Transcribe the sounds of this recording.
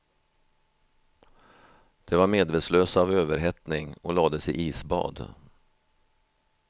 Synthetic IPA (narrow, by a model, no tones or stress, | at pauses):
d̪̥ɛvaɾmeːd̪veːt̪sløːsavøːvəɾɦɛt̪nɪŋɔlɑːd̪əsɪ̰ʔiːsbɑ̰ːd̪